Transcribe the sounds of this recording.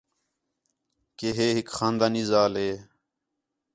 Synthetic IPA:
keːɦeːɦɪkxaːnd̪aːniːzaːleː

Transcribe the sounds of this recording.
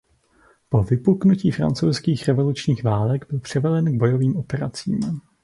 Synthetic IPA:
po̞vɪpuknuciːfɾa̰nt͡sowskiːxɾɛvo̞lut͡ʃɲiːxvaːlɛɡbɪlpr̝̥ɛvɛdɛnɡ̚bo̞jo̞viːmʔo̞pɛɾat͡sḭːm

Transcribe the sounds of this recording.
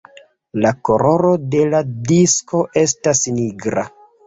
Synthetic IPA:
lako̞ɾo̞ɾo̞de̞ladisko̞ʔe̞stasniɡɾa̰

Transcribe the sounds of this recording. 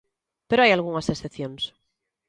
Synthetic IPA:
peɾoajalɣuŋasesθepθjons

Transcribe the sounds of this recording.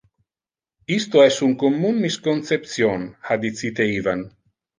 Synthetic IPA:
ist̪oɛsuŋkomːunːiskont̪sep̚t̪sjonhad̪it̪sit̪eivan

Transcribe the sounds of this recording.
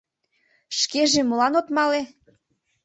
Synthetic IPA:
ʃkeʒemolɑnot̪mɑle

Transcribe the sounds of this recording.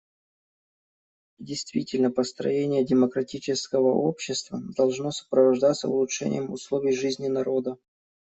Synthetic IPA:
dʲɪjst̪vʲitʲɪlʲnəpəst̪ɾɐ̰jenʲɪjədʲɪməkɾɐtʲit͡ɕɪskəvəʔopɕːɪst̪vəd̪ɐlˠʐno̞sə̥pɾəvɐʐd̪at̪səʊlˠʊtʂɛ̰nʲɪ̰jəmʊslˠovʲɪjʐɨzʲnʲɪnɐɾo̞d̪ə

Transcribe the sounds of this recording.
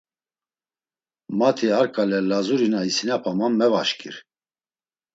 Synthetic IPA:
mat̪ʰiaɾkʼalɛlazuɾinaisinapʰamammɛvaʃkʼḭɾ

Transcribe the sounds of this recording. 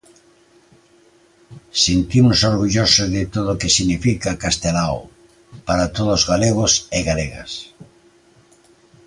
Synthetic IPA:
sint̪imʊsoɾɣuʎosozðɪt̪oðookesiɣnifikakast̪elaw | paɾat̪oðozɣaleɣoseɣaleɣa̰s

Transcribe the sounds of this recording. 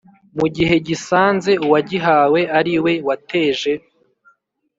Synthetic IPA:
muɟiɦe̞ɟisaːnze̞uwaɟiɦaːwe̞aɾiwe̞wate̞ːʒe̞

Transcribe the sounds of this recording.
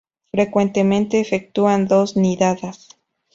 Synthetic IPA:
fɾe̞kwe̞nt̪e̞mẽ̞nt̪e̞ːfek̚t̪uand̪o̞sniðaðas

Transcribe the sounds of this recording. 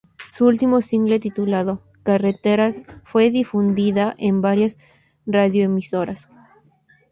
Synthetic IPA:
suult̪imosiŋɡle̞t̪it̪ulaðo | karet̪eɾafwe̞ðifund̪iðaʔembaɾjas | raðjoemisoɾas

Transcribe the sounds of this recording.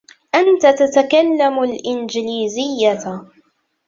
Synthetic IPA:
ʔant̪at̪at̪akalːamʊlʔɪnd͡ʒɪliːzɪjːa

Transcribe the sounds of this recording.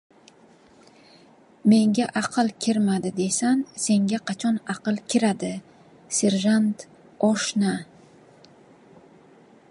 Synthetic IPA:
me̞ŋɡʲaʔɑqʰɨlˠkʲʰɪɾmad̪ɪd̪e̞sanse̞ŋɡʲaqʰɑt͡ʃʰɒnɑqɨlˠkʲʰɪɾad̪ɪ | se̞ɾʒant̪ | ɒʃna

